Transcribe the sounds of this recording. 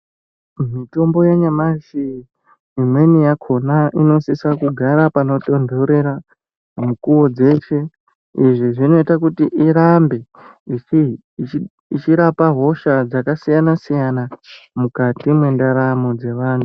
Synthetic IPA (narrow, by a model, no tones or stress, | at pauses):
mito̞mbo̞jeɲamaʃi | imwe̞nijakʰo̞naʔino̞sisakuɡʱaɾapano̞to̞ndʱouɾeɾa | mukuwo̞d͡ze̞t͡ʃe̞ | iʐiʐino̞itakutiʔiɾambe̞ | it͡ʃiɾapaɦo̞ʃad͡zakasijanasijanamukatimwe̞ndaɾamod͡ze̞ʋaːntu